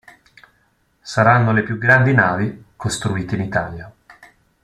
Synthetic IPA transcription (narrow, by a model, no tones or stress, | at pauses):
saɾanːolepjuɡɾand̪inaːvikost̪ɾuiːt̪einit̪aːlja